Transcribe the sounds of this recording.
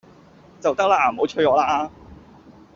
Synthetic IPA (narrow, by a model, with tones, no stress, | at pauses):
t͡sɐ˨wt̪ɐ˥k̚laː˧m˨o˨˧˥wt͡ʃʰɵ˧ɥɔː˨˧laː˧